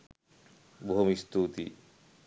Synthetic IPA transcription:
boɦomist̪ut̪ḭ

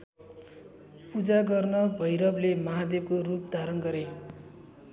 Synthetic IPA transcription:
pud͡zaɡʌrnʌbʱʌjɾʌblemʌɦad̪eb̚korupd̪ʱaɾʌnɡʌɾe

